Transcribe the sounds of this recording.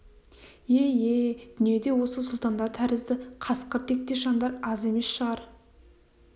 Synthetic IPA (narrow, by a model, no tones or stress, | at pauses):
jejed̪̥ʏnije̞d̪e̞wo̞səsʊlˠt̪ɑnd̪ɑɾt̪ʰæɾɪzd̪ɪqʰɑsqəɾt̪ʰe̞k̚t̪e̞ʃɑnd̪ɑɾɑze̞me̞sʃəʁɑɾ